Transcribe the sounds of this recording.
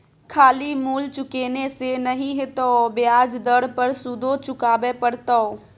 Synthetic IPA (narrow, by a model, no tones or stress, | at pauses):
kʰaːlimuːlt͡ʃʊkeːnesenəɦĩɦet̪obɪaːd͡ʒd̪əɽpəɾsud̪ʱot͡ʃʊkaːbepəɾt̪ɔo